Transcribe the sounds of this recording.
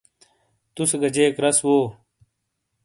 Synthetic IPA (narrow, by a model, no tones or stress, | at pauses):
t̪useɡɐd͡ʑeːkɾɐswoː